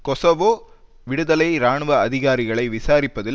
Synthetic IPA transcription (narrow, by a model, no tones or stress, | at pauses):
kɔsoʋoː | ʋɪɽɯðɐlɐɪɾaːɳʋɐɐðɪɣaːɾɪɣɐɭɐɪʋɪsaːɾɪpːɐðɪl